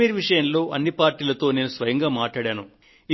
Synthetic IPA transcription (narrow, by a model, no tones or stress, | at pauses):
iːɾʋiʂɐjɐnlo̞ːʔɐnːipaːɾʈiːlɐt̪o̞ːne̞ːnusʋɐjɐŋɡaːmaːʈɭaːɽaːnu | i